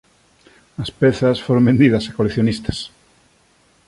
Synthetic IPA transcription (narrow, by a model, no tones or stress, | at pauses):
ɐspeθɐsfoɾõmbend̪iðɐsakoleθjonist̪ḁs